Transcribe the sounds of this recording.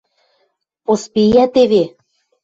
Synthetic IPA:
pospijæt̪eβe

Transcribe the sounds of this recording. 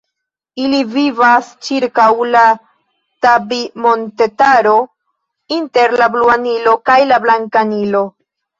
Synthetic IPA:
ilivivast͡ʃiɾkawla | tabimo̞nte̞taɾo̞ | inte̞ɾlabluanilo̞kajlablaŋkanilo̞

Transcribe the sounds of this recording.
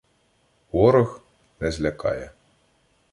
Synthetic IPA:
wɔɾɔx | nɛzʲlʲɐkɑ̰jɛ

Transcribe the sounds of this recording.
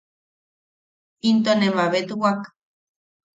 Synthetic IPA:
int̪onemaβet̪uwak

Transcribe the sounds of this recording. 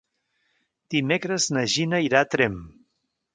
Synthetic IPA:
d̪̥imekɾəznəʒinəiɾat̪ɾɛm

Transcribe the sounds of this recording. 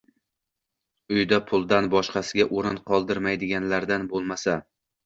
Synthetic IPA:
ʊjd̪apʰʊlˠd̪anbɒʃqɑsɪɡʲaʔoɾɪnqʰɒlˠd̪ɪɾmajd̪ɪɡʲanlaɾd̪anbolˠmasa

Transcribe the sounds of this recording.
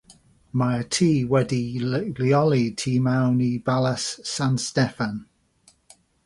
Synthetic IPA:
maətʰiːwɛdiliɔlitʰiːmawnibaləsːanstɛfan

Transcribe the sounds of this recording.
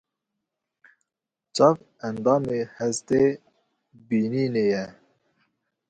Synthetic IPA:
t͡ʃɑv | ænd̪ɑːmeːhɛzt̪eː | biːniːnejɛ

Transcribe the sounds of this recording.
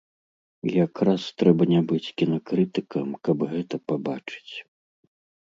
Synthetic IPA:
jakɾast̪ɾɛbɐnʲabɨt͡sʲkʲinɐkɾɨt̪ɨkɐmkɐbɣɛt̪ɐpabat͡ʂɨ̥t͡sʲ

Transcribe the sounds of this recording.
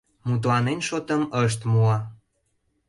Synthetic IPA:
mut̪̬lɑnenʃot̪əməʃ̬t̪muɑ

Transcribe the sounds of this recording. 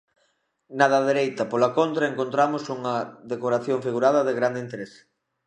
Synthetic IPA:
nað̞ɐðeɾejt̪ɐpolɐkont̪ɾɐeŋkont̪ɾamʊsuŋɐðekoɾaθjoŋfiɣuɾaðɐðeɣɾand̪eint̪eɾes

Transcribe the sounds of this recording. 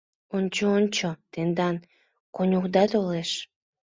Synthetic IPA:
onʲt͡ɕoont͡ɕot̪end̪ɑn | konʲukd̪ɑt̪oleʃ

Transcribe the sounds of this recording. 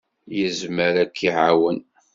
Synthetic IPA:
jəzməɾækʰːiʕawən

